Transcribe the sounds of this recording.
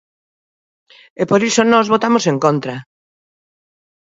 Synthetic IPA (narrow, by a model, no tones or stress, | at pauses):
epoɾisonɔzβot̪amoseŋkont̪ɾɐ